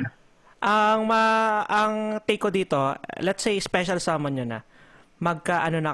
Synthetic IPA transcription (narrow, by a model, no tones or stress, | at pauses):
ʔɐŋmɐʔɐŋt̪ejkod̪iːt̪o̞lɛt̪sejspɛʃɐlsaːmɐnɲonɐ̰ | mɐɡ̚kaʔɐnonɐ